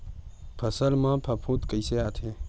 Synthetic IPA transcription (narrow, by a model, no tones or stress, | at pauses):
pʰəsəlmãːpʰɐpʰũːt̪kəjseaːt̪ʰe